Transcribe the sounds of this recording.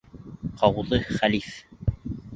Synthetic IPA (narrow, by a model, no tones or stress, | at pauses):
qʰɑwðɤχælif